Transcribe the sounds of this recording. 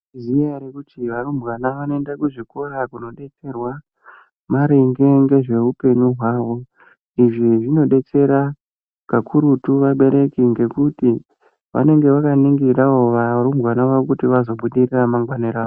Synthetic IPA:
ziaɾekutiʋarumbwanaʋanoendakuʐiko̞ɾakuno̞ɗe̞t͡se̞rwa | maɾeŋɡe̞ŋɡe̞ʐe̞upe̞ɲuɦwaːʋo̞ | iʐiʐino̞ɗe̞t͡se̞ɾa | kakʰuɾutuʋaɓe̞ɾe̞kiŋɡe̞kuti | ʋa̰ne̞ŋɡe̞ʋakaniŋɡiraoʋaɾumbɣanaʋaokutiʋazo̞ɓuɗiriramaŋɡwaniɾaːʋo

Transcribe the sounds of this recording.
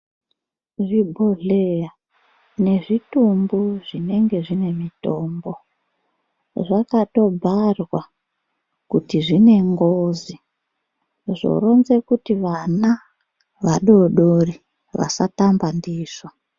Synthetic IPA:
ʐibʱoɮeja | ne̞ʐitumbuʐine̞ŋɡe̞ʐine̞mitoːmbo̞ | ʐakato̞bʱarwa | kutiʐine̞ŋɡoːzi | ʐo̞̰ro̞nzekutiʋana | ʋaɗo̞ɗori | ʋa̰satambandiːʐ̥o

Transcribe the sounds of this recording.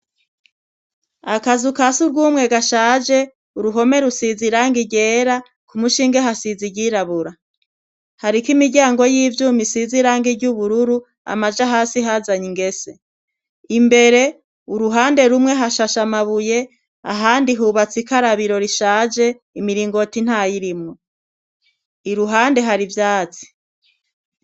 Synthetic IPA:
akazukasuɾɡuːmŋe̞ɡaʃaːd͡ʒe̞ | uɾuɦo̞me̞ɾusiziɾaːŋɡiɟe̞ːɾa | kumuʃiːŋɡeɦasiziɟiɾaβuɾa | haɾikimiɟaːŋɡo̞jiːvjuːmisiziɾaːŋɡiɟuβuɾuɾu | a̰mad͡ʒaɦaːsiɦazaɲiŋɡe̞se̞ | imbe̞ɾe̞ | uɾuɦaːnde̞ɾumŋe̞ɦaʃaʃamaβuje̞ | a̰ɦaːndiɦuβat͡sikaɾaβiɾo̞ɾiʃaːd͡ʒe̞ | imiɾiːŋɡo̞tin̥hajiɾimŋo | iɾuɦaːnde̞ɦaɾivjaːt͡si̥

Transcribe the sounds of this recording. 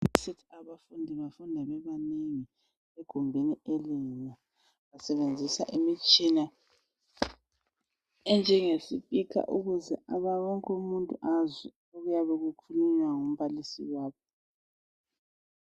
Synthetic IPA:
sitʰaβafundʱiβafundʱaβɛβaneŋi | eɡ̥ʱumbʱinielina | βasɛβend͡zʱisa̰ʔimit͡ʃʼina | ɛnd͡ʒʱɛŋesifikʰa̰ʔuɣuzɛʔaβawɔŋkʼumuntʼuʔazɛ | oɣujaβɛɣukʰuluɲwaŋom̩βalisḭwaːβɔ

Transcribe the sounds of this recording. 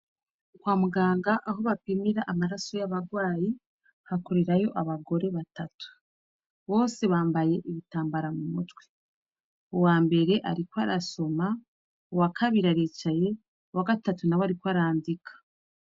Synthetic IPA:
kwaːmuɡaːŋɡaʔːɦo̞βapimiɾaʔːmaɾaso̞jaβaɡwaːji | hakoɾeɾajo̞ʔaβaɡo̞ɾe̞βatatu̥ | βo̞ːse̞βaːmbaje̞ʔiβitaːmbaɾamumutwe̥ | uwaːmbe̞ɾe̞ʔa̰ɾikwaɾaso̞ma | owakʰaβiɾaɾit͡ʃaje̞ | waɡatatunawaɾikwaɾaːndikʰḁ

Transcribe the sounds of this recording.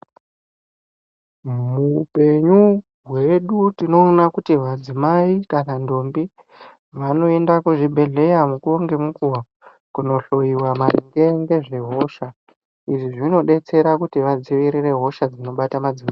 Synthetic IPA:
mupe̞ɲu | ɦwe̞ɗutino̞ːnakutiʋad͡zimaikanando̞mbi | ʋano̞e̞ndakuʐibʱe̞ɮe̞jamukuoŋɡemukuwa | kuno̞ɬo̞jiwamariŋɡe̞ŋɡe̞ʐe̞ɦo̞ʃa | iʐiʐino̞ɗe̞t͡se̞ɾakutiʋad͡ziʋiɾire̞ɦo̞ʃad͡zino̞ɓatamad͡zima

